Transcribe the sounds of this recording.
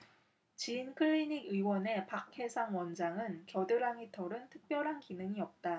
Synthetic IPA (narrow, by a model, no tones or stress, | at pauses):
t͡ɕiːnkʰɯɭːiɲiɡiwʌne̞pak̚ʰhe̞sʰaŋwʌnd͡ʑaŋɯnkjʌdɯɾaŋitʌɾɯntʰɯk̚p͈jʌɾɦankinɯŋiʌp̚t͈a